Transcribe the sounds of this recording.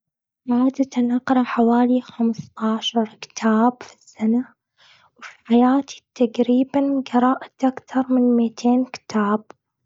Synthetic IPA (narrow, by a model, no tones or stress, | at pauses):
mʕaːd̪at̪anʔɑqɾˤɑħawaːlixamst̪ˤɑʕʃɑɾˤkɪ̥t̪ʰaːbfi̥sːana | wfi̥ħajaːt̪ʰi̥t̪aɡɾiːbanɡɑɾˤɑːʔat̪ʔakt̪ɑɾˤmɪnmɪt̪ʰeːnkɪ̥t̪ʰaːb̚